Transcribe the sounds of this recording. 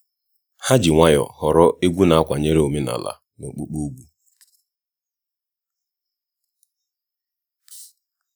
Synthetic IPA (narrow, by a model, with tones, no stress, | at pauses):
ha˦d͡ʒi˨ŋʷa˦jɔ̰˨hɔ˨ɾɔ˦ʔe˦ɡʷu˦na˨a˦kʷa˨ɲe˦ɾe˦o˨me˦na̰˨la̰˨ | no̰˨k͡pu˦k͡po˦ɡʷu˦